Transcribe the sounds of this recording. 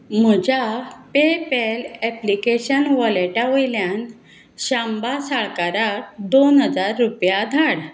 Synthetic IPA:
m̤əd͡ʑapepelɛplikeɕənʋɔleʈaʋəjljan | ɕambasaɭkaɾat̚d̪onɦəd͡zaɾːupjad̪ʱaɽ

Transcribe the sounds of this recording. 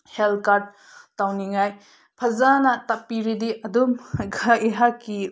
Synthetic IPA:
helkaɾd̚ | tawniŋaj | pʰɐzanɐtapːiɾidiʔɐdumɡʱaiɦakːi

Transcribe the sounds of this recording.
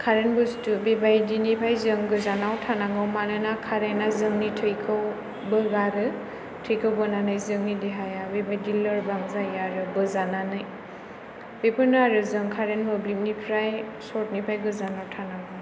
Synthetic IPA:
kʰaɾenbɯstubebajdinipʰajzɯŋɡɯzanawtʰanaŋɯwmanɯnakʰaɾenazɯŋnitʰɯjkʰɯw | bɯɡaɾɯ | tʰɯjkʰɯwbɯnanɯjzɯŋnideɦajabebajdilɯɾbaŋzajaɾɯbɯzananɯj | b̥epʰɯnaɾɯzɯŋkʰaɾenbɯblimnipʰɾaj | sɔt̚nipʰajɡɯzanawtʰanaŋɯ

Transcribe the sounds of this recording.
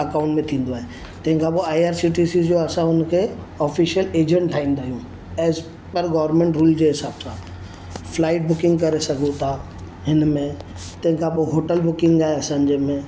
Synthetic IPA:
ɐkãːʊ̃ɳʈmẽt̪ʰĩːn̆d̪oaːɦe | t̪ɐ̃ɦɪ̃ŋkʰãpoaːiaːɾsiʈ̬isizd͡ʑoɐsãʊnkʰeː | ɔːfiʃiəleːd͡ʑə̃ɳʈʈ̪ʰaːɦĩːnd̪aːɦijũ | ɛːz | pɐɾɡɔːʋəɾmẽɳʈɾuːld͡ʑoːɦɪsaːbsã | flaːɪʈ̚bʊkɪ̃ŋɡkɐɾesɐɡʱõt̪ʰaː | ɦɪnmẽ | t̪ɐ̃ɦkʰãpoɦoːʈəlbʊkɪ̃ŋɡaːɦeɐsãːɲd͡ʑemẽ

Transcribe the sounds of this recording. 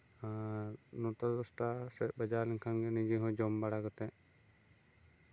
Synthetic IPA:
anɔt̪ɔɔsʈasɛbəd͡ʒaliŋkʰanɡɛnid͡ʒiɦɔ̃d͡ʒɔmbaɽaɡɔt̪ɛ

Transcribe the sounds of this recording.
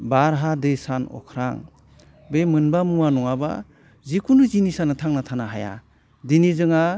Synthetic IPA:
baɾɦadesanɔ̰kʰɾa̰ŋ | bemɯnbamuanɔŋaba̰ | zikʰunuzinisanatʰaŋnatʰanaɦaja̰ | dinizɯŋa

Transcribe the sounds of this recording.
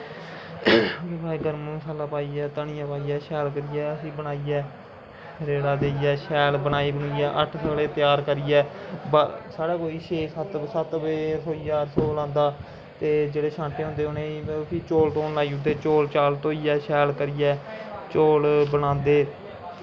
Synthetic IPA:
eːbaːiːɡəɾmũːsaːlaːpaːiːɛːt̪əɳɪjãːpaːiːɛːʃɛːlk̬əɾiːɛːəsĩːbəɽaːiːɛː | ɾeːɽaːd̪eːiːɛːʃɛːlbənaːiːbəɳiːɛːʔə̰ʈʰsəɡleːt̪ɪjaːɾkəɾiːɛːbəsaːɾaːkoːiːʃeːsət̪sət̪beːsoːiːaːɾsoːlãːnd̪aː | t̪eːd͡ʒeːɽeːʃʰãːɳʈeːɦʊ̃nd̪eːʊnẽːisiːt͡ʃoːlʈoːnlaːiːʊd̪eːt͡ʃoːlt͡ʃaːlt̪oːiːɛːʃɛːlkəɾiːɛːt͡ʃoːlbənãːnd̪eː

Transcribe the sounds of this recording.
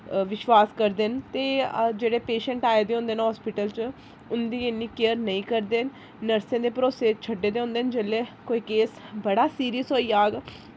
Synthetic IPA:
ʋɪʃʋaːskəɾd̪ent̪eːd͡ʒeːɽeːpeːʃə̃ɳʈaːed̪eːõːnd̪eːnːɦɔːspɪʈəlt͡ʃ | ʊnd̪iːɪnːiːkeəɾnəĩːkəɾd̪eːn | nəɾsẽːd̪eːpɾoːseːt͡ʃʰəɖeːd̪eːõːnd̪eːnd͡ʒelːeːkoːiːkeːsbəɽaːsiːɾiəsɦoːiːaːɡ

